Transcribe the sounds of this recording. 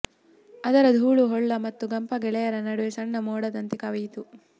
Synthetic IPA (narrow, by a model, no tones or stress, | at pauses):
ɐd̪ɐɾɐd̪ʱuːɭuɦɔɭːɐmɐt̪ːuɡɐmpɐɡɛɭɛjɐɾɐnɐɽuʋesɐɳːɐmɔːɽɐd̪ɐnt̪ikɐʋɐjt̪u